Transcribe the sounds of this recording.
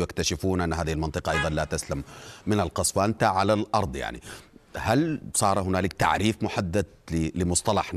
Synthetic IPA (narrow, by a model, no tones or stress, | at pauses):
jakt̪aʃɪfuːnʔanːɦaːðihɪlmɑnt̪ˤɨqɑʔɑjðˤɑnlaːt̪aslamːɪnalqɑsˤwaːnt̪aʕalalʔɑɾˤd̪ˤja̰ʕnḭhalsˤɑːɾˤhʊnaːlɪk̚t̪a̰ʕɾiːfmʊħad̪ːad̪̚lɪlɪmʊsˤt̪ˤɑlɑħ